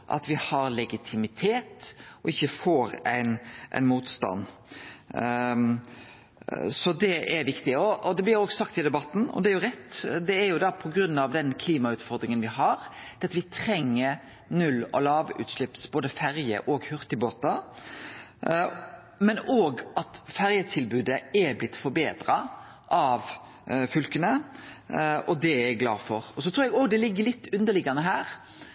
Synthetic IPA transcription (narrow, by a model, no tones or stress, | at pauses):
ʔɑ̰t̪ʋɪhɑɾlɛɡɪt̪ʰɪmɪt̪ʰeːt̪ʔɔɪçːəfoːɾæ̰ɪnʔæ̰ɪnmuːt̪st̪ɑ̰nː | sɔd̪ɛʔæɾʋɪkt̪ɪɔɔd̪ɛblɪɾoːɡsɑkt̪ɪd̪ɛbɑt̪ːn̩ɔ̰d̪ɛæɾjʊɾɛt̪ːd̪ɛæɾjʊd̪ɑpʰɔɡɾʉnːɑʋd̪ɛnkʰliːmɑʉːt̪fɔɾd̪ɾɪŋənʋɪɦɑɾd̪̥ɛɑt̪ʋɪt̪ʰɾɛŋːəɾ | nʉlːɔ̰lɑːʋʉ̰t̪ʃlɪpsboːd̪əfæɾjə̰ʔɔɡhʉɾt̪ɪboːt̪ɑ | mɛnoːɡɑt̪fæɾjət̪ʰɪlbʉːd̪əɛblɪt̪ːfɔɾbeːd̪ɾɑ | ʔɑʋ | fʉlkənə | ɔd̪ɛɛɡlɑ̰ːfɔɾɔsɔt̪ʰɾuːɛɡoːɡd̪ɛlɪɡːəlɪt̪ːʉnd̪əɭɪɡɑnəɦæːɾ